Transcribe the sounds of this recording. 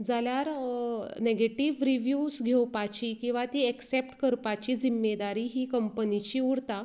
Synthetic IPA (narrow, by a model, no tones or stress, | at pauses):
d͡zaljaɾ | neɡeʈiʋɾiʋjusɡʱewpat͡ɕiːkĩw̃ʋat̪iːeksep̚ʈkəɾpat͡ɕiːd͡zimːed̪aɾiːɦiːkəmpənit͡ɕiːuɾt̪a